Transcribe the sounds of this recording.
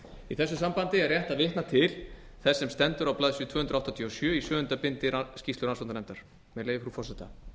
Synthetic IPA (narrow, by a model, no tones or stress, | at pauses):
iθɛsːʏsampant̪ɪarjɛht̪aðvɪht̪nat̪ʰɪl | θɛsːɛmst̪ɛnt̪ʏɾawplaðsjʏt̪ʰvœːʏnɾaht̪at̪ʰiɔsjœːisvœːʏnt̪apɪnt̪ɪɾascist̪lʏɾansanɛmt̪aɾ̥ | mɛlejvɪfɾufɔrsɛt̪a